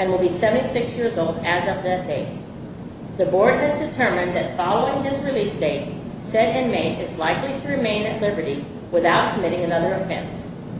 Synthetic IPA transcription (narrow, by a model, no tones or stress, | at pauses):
ɨ̃nwəlˠbisɛvɨ̃ntisɪksjɪɹzoʊlˠdɨzʌvðɨt̚d̥eɪt̚ | ðɨbɔɹd̚ɨzdɨtʰɜ˞mɨ̃nðɨtfɑlˠoʊɪ̃ŋɪzɹilisd̥eɪt̚ | sɛɾɪ̃nmeɪɾɪzlaɪkliɾɨɹɨmẽɪ̃nɨtˡlɪbə˞ɾi | wɨθaʊt̚kʰəmɪɾɪ̃ŋɨnʌðə˞ɨfɛ̰̃ns